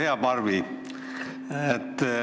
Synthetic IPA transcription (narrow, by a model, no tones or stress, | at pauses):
eɑpɑrʋi | et̪ː